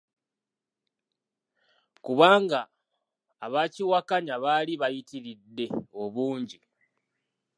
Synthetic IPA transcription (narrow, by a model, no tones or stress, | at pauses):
kuβaːŋɡaː | βaciwakaɲaβaliβajitiɾidːe̞o̞βuːɲɟi